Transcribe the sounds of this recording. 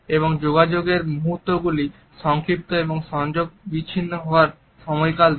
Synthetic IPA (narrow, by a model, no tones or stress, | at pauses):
eβoŋd͡ʑoɡad͡ʑoɡeɾmuɦut̪ːoɡuli | ʃɔŋkɾip̚t̪oeboŋʃɔŋd͡ʑoɡ̚biɕʰinːoɦɔoaɾ | ʃɔmɔjkal